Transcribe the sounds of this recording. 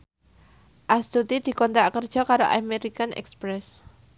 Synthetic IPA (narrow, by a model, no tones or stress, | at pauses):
ʔast̪ut̪id̪̥i̤kɔnt̪ɾakərd̥ʒ̥ɔ̤kaɾoʔameɾikanʔɛ̰kspɾɛs